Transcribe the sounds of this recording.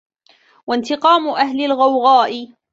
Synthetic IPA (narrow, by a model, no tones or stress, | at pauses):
want̪ɪqɑːmʊʔahlɪlɣawɣɑːʔɪ